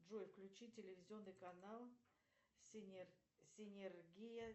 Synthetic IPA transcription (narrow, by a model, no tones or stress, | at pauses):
ʐojfklʲʉt͡ɕitʲɪlʲɪvʲɪzʲɪo̞nːɨjkɐnalˠ | sʲɪnʲ | sʲɪnʲɪrɡʲijə